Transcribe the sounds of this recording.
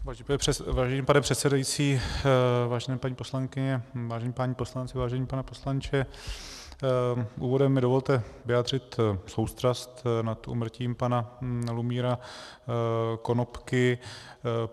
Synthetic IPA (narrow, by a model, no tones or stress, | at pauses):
avaːʒɛɲiːmpanɛpr̝̥ɛt̪sɛdajit͡siː | vaːʒɛnɛːpaɲiːposlaŋkɪɲɛvaːʒɛɲiːpaɲiːpo̞slant͡sɪvaːʒɛɲiːpanɛpo̞slant͡ʃɛ | ʔuːvo̞dɛmːɪdovo̞lt̪ɛvɪjaːd̪r̝ɪt̪sowst̪rast̪nat̪ʔṵːmr̩ciːmpanalumiːɾa | ko̞nopkɪ